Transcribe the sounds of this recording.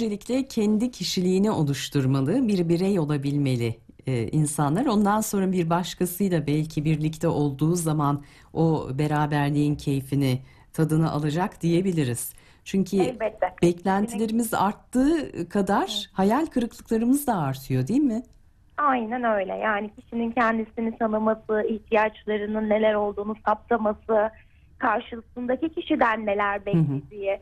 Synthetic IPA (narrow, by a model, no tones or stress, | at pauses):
d͡ʒe̞lʲiclʲɛcʰɛnd̪icʰiʃilʲiːniʔo̞lˠuʃt̪ʰuɾmalˠɯbiɾbiɾɛjo̞lˠabilʲme̞lʲɪ | ʔinsanlˠaɾo̞nd̪anso̞nɾabiɾbaʃkʰasɯjlˠabɛlʲcʰibiɾlʲict̪ʰɛʔo̞lˠd̪uːzaman | o̞be̞ɾaːbæɾlʲiincʰe̞jfinɪ | t̪ʰad̪ɯnaʔa̰lˠad͡ʒakd̪̥ije̞bilʲiɾiz̥ | t͡ʃʰyɲcʰyɛlʲbɛt̪ʰːɛb̥ɛclʲænt̪ʰilʲe̞ɾimiza̰ɾt̪ːɯːkʰad̪aɾ̥hajalʲkʰɯɾɯklˠɯklˠaɾɯmɯzd̪aːɾt̪ʰɯjo̞d̪ijinmɪ | ajnænø̞jlʲɛ̰jaːnicʰi̥ʃinincʰænd̪isinisanɯmasɯiht̪ʰijat͡ʃlˠaɾɯnɯnːe̞lʲæɾo̞lˠd̪uːnusap̚t̪ˠamasɯ | kʰaɾʃɯlˠsɯnd̪acicʰiʃid̪ænme̞lʲæɾbɛled̪ijɪ